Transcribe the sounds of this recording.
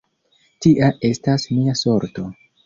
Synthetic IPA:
tiʔaʔe̞stasmiaso̞ɾto̞

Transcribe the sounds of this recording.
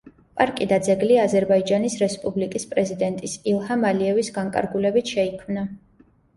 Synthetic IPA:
pʼaɾkʼid̪ad̪zɛɡliazɛɾbaid͡ʒanisɾɛspʼublikʼispʼɾɛzid̪ɛnt̪ʼisilˠhamaliɛvisɡaŋkʼa̰ɾɡulɛbit̪ʰʃɛikʰmna

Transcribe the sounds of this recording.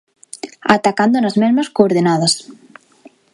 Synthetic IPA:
at̪akand̪onazmɛzmɐskoːɾðenaðɐs

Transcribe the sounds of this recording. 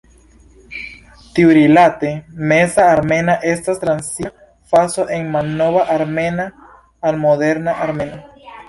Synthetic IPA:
t̪iuɾilat̪e̞me̞saːɾme̞naʔe̞stast̪ɾansi | fasoʔeŋmalnoβaʔaɾme̞naː | lmode̞ɾnaʔaɾme̞na

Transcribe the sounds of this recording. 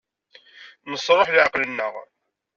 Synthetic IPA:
məsˤɾˤoħlʕɑqlənːəʁ

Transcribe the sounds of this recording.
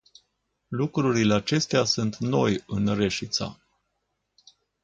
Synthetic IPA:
lukɾuɾileat͡ʃe̞st̪easunt̪no̞jɨnre̞ʃit̪sa̰

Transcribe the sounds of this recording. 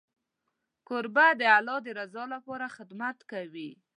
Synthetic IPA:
kʊɾbad̪əalɑd̪əɾazɑlapɑɾaxɪd̪mat̪kawi

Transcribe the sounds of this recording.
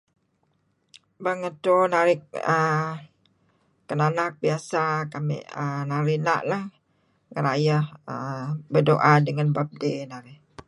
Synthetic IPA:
baŋət̪onaɾɪk̚ə | kənanak̚biasakamɪ̰ʔənaɾina̰ʔlah | ŋəɾajəhəbərdoʔadəŋanbap̚denaɾɪh

